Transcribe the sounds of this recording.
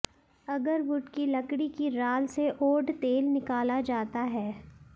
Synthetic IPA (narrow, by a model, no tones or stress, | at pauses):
ɐɡəɾbʊʈkilɐkɽikiɾaːlseʔoːɖt̪eːlnɪkaːlad͡ʒaːt̪aɦɛː